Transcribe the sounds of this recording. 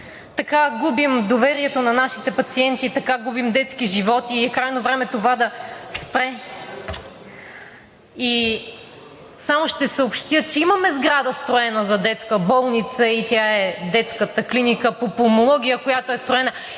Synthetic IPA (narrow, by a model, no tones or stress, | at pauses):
t̪ɐkaɡubimd̪ovɛɾiɛt̪onɐnaʃit̪ɛpɐt̪siɛnt̪it̪ɐkaɡubimd̪ɛt̪sk̟iʒivɔt̪iɛkɾajnovɾɛmɛt̪ovad̪ɐspɾɛ | i | samoʃt̪ɛsəopʃt̪ʲjət͡ʃɛimɐmɛzɡɾad̪əst̪ɾoɛnəzɐd̪ɛt̪skəbɔlˠnit̪səit̪ʲjaɛd̪ɛt̪skət̪əklinikəpopomolˠɔɡ̟ʲijəkojat̪oɛst̪ɾoɛnə